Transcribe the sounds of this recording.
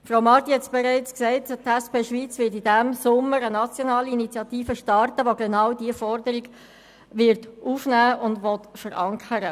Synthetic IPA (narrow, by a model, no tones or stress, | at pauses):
frawmɑrt̪ihɛtsb̥ɛɾæɪt͡sksɛɪttæspeːʃʋiːt͡sʋɪtidæmsʊmːəɾənɑt͡sjonɑːliinit͡sjɑtiːfəʃtɑrtəʋoɡenɑwdiəfɔɾdəɾiɡ | ʋɪɾtufnæːʊndʋɔtfəɾʔɑŋkʰəɾə